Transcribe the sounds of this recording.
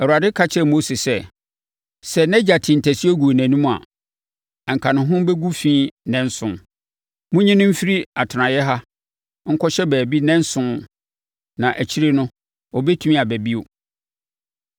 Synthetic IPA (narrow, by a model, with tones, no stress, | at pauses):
ɛ˨u˨a˨dɪ˦kʰa˦t͡ɕʰɪ˦ɛ˦˨mo˦se˨sɛ˦ | sɛ˨nɛ̃˦d͡ʑa˨tʰɪ̃˨n̩˨tʰæ˨si˦o˦ɡu˨næ̃˨nũ˦m̃˨a̰˨ | ã˨ŋ̩˨kʰã˨nʊ̃˨ɦʊ̃˦bɛ˦ɡu˦fĩː˦nɛ̃˦n˦sʊ̃˨n | mʊ̃˦ɲĩ˦nʊ̃˦m̩˦fi˦ɾi˦a˨tʰɪ˨nã˨jɛ˦ɦa˦ | ŋ̩˦kʰɔ˦ɕɛ˦bæː˨bi˦nɛ̃˦n˦sʊ̃˦ | nã˨ʔæ˨t͡ɕʰi˦ɾe˦nʊ̃˦ | ɔ˨bɛ˦tʰu˦mĩ˦a˨bæ˨bi˦o˨